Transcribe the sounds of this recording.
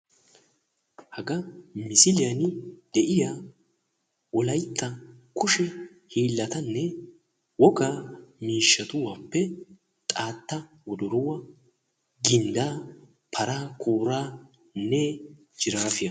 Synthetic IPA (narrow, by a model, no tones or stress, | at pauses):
hɐɡɐmɪsɪlɪjɐnɪd̪̥ɛʔɪja | ɔlɐjt̪ːɐkʰʊʃɛ | hiːlːɐt̪ɐnːɛ | wɔɡaːmiːʃːɐt̪ʊwaːpːɛ | t̪ʼaːt̪ːɐ | wɔd̪ɔɾʊwɐ | ɡɪnd̪aː | pʰɐɾaːkʼoːɾaː | nːɛ | d͡ʒɪɾaːfɪjɐ